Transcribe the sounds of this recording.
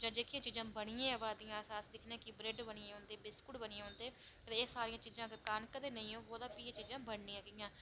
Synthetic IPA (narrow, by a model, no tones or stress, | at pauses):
d͡ʒãːd͡ʒ̪eːkʰijãːt͡ʃiːzãːbəɽ̃ɪjãːɛʋaːd̪ijãːsaːsd̪ɪkʰniãːkɪbɾeːɖbəɽɪãːond̪eːbɪskʊɽbənɪãːond̪eː | əɾeesaːɾɪjãːt͡ʃiːzãːkkankəd̪eːnəĩːɦoːoːd̪ãːpiẽːt͡ʃiːzãːbəɳnĩːãːɡɪjãː